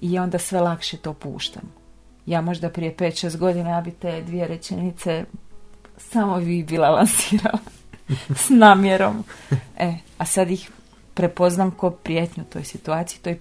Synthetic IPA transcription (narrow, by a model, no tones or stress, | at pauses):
ijaːo̞nd̪asʋe̞lakʃet̪o̞ːpṵːʃt̪a̰m | jaːmo̞ʒd̪apɾije̞peːt̪ʃeːst̪ɡo̞d̪inajaːbit̪eːd̪ʋije̞ɾe̞t͡ʃenit̪se | samoʋibilˠalansiːɾala | snaːmjeɾo̞measad̪jix | pɾepo̞znamko̞pɾijet̪ɲut̪o̞ːjsit̪uaːt̪siji̥t̪oj